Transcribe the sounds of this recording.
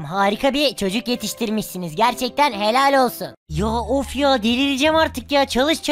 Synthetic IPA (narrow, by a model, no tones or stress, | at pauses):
mɦaːɾikʰabit͡ʃʰo̞d͡ʒukje̞t̪ʰiʃt̪ʰiɾmiʃsinizɟæɾt͡ʃʰɛc̚t̪ʰænɦe̞lʲalʲo̞lˠsunjaːofjaːd̪ilʲid̪id͡ʒɛmaɾt̪ʰɯkjaːt͡ʃʰalˠɯʃt͡ʃʰ